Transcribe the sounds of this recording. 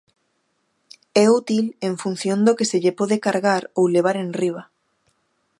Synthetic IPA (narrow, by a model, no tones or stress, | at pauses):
ɛut̪ileɱfun̟θjond̪okeseʎepoðekaɾɣaɾowleβ̞aɾenriβ̞a